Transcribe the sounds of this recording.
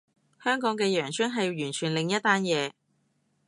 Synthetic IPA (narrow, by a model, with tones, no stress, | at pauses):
hœː˥ŋkɔː˨˥ŋk̬ɛː˧jœː˨˩ŋt͡ʃʰœ˥nɦɐ˨ji˧wjyː˨˩nt͡ʃʰyː˨˩nlɪ˨ŋjɐ˥t̚t̪ːaː˥njɛː˨˧